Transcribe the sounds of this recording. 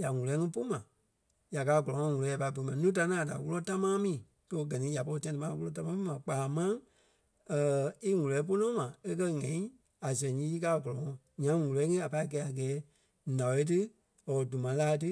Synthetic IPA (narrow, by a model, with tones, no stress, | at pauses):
ja˨ŋũ˨lɛ˨˦ŋĩ˧˦po˦mã˨ | ja˨kaː˨˦˨ɡɔ˨lɔ̃˨ŋɔ̃˧ŋũ˨lɔ˨˦ja˨pa˧i˦bo˨i˨mã˨˧nũː˦t̬a˧nãː˦˨da̰˨wu˦lɔ˧ta˦mãː˦mĩː˨ | to˧˦ɡɜ˨nĩ˨˦ja˨po˧i˧tɛ̃˧tɨ̃˧ã˦˧wu˦ɔ˧˦ta˧˦mã˦mĩ˦mã˨k͡paː˨mã˦ | əː˨i˦ŋũ˨lɛ˨˦p̬o˦nɔ̃˦mã˨e˦k̬ɜ˦ŋɛ̃˨ĩ˦ | a˨sɛ̃˨ɲĩː˨˦i˦kaː˨˦˨ɡɔ˨lɔ˨ŋɔ̃˧˨ | ɲã˦ŋũ˨lɛː˨˦ŋĩ˦a˨pa˧i˦kɛː˨˦a˨ɡɛː˨˦ | nã˨e˨˦t̬ɨ˦ | ɔ˨du˨mã˨˦laː˧˦˧tɨ˦